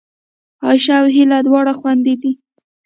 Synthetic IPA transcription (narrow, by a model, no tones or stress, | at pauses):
ɑʃawɦilad̪wɑɽaxwand̪ed̪i